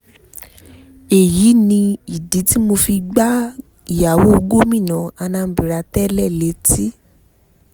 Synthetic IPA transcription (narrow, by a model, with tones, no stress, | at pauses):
e˨ji˨˦nĩ˧i˨di˨˦ti˦mo˧fi˧ɡ͡ba˦ | i˨ja˨wo˦o˧ɡo˦mĩ˦˨nã˨˦a˧nã˧˦bi˨ɾa˧tɛ˦lɛ˦˨le˨˦ti˦